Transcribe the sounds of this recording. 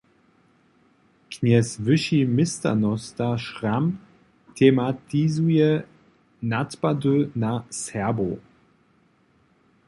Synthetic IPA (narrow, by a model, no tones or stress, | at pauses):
knɛsvɘʃimɪsta̰nɔstaʃram | t̪ʰɛmat̪izujɛ | natpad̪ønasɛɐbo̰